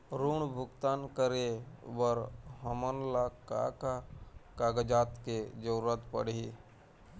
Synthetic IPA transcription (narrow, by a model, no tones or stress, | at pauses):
ɾuːɳbʱʊɡt̪aːnkəɾeʋəɾɦəmənlaka̰kakaːɡəd͡ʒaːt̪ked͡ʒəuɾət̪pə̰ɽi